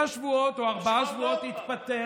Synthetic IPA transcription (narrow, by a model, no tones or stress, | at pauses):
aʃvuo̞t̪oaʁbaaʃvuo̞t̪hit̪pat̪e